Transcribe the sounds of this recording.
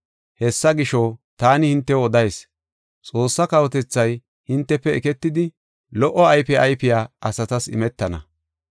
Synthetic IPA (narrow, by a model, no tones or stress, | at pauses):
hɛsːɐɡɪʃɔt̪aːnɪhɪnt̪ːɛɔd̪ɐjs | t͡sʼo̞ːsːɐkɐwɔt̪ɛt͡sːɐj | hɪnt̪ːɛpːɛɛkɛt̪ːɪd̪ɪ | lɔʔːɔɐjpɛʔɐjpɪjaːɐsɐt̪ɐsɪ̰mɛt̪ːɐnɐ̰